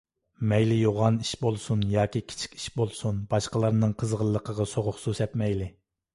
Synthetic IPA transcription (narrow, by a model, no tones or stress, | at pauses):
mɛjlɪjoʁɑniʃbolˠsunjɑːkʲikʲʰi̥t͡ʃʰi̥kʲi̥ʃbolˠsunbɑʃqəlˠɑɾnɨŋqʰəzʁəlˠːəqʰəʁɑsoʁʊχsusɛt̪mɛjlɪ